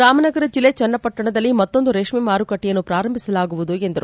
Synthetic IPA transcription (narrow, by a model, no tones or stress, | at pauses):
ɾaːmɐnɐɡɐɾɐd͡ʒilːeːt͡ʃɛnːɐpɐʈːɐɳɐd̪ɐlːimɐtt̪ːo̞nd̪uɾeʂmimaːɾukɐʈːijɐnːupɾaːɾɐmbʱisɐlaːɡuʋud̪ue̞nd̪ɐɾu